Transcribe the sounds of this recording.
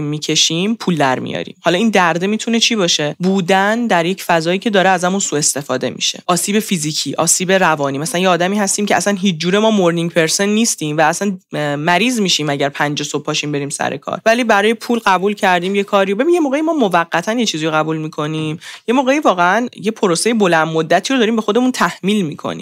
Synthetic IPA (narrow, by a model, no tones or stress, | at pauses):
imːiːcʰe̞ʃimpʰuːld̪æɾmḭjɒ̰ɾḭːmhɒlɒiːnd̪æɾd̪e̞mit̪ʰune̞t͡ʃʰiːbɒːʃe̞buːd̪ænd̪æɾje̞cfæzɒːjiːcʰe̞d̪ɒːɾeæzæmunsuːe̞st̪e̞fɒːd̪e̞̰mḭʃe̞̰ʔɒːsiːbe̞fiziːcʰiːʔɒ̰ːsiːbeɾævɒːniːmæsælænjeɒːd̪æmiːhæst̪iːmcʰeæsænɦiːt͡ʃʰd͡ʒuːɾemɒːmoɾniŋpʰe̞ɾse̞nːist̪iːmvæːsænmæɾiːzmiʃiːmæɟæɾpʰænd͡ʒeso̞b̚pʰːɒːʃimbe̞ɾiːmsæ̰ɾḛkʰɒ̰ːɾvæliːbæɾɒːjepʰuːlɢæbulcʰæɾd̪iːmje̞kʰɒːɾijobe̞binjemoːɣeimɒːmovæɢːæt̪ʰænje̞t͡ʃʰiːzijoɣæbuːlmikʰo̞niːmje̞moːɣe̞iːvɒːɣeænjepʰoɾosejebo̞lænd̪mod̪ːæt̪ʰiːɾod̪ɒːɾiːmbe̞xo̞d̪e̞munt̪ʰæhmiːlmiːkʰo̰nḭm